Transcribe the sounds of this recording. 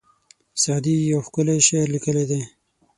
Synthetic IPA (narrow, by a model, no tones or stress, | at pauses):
sɑːd̪ijawxkʊleʃeɾlikəled̪e